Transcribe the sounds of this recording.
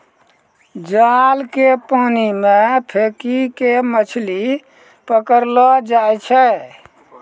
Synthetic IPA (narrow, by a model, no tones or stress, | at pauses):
d͡ʒalkepanimepʰekikemət͡ʃʰli | pəkəɾlɔd͡ʒajt͡ʃʰɛ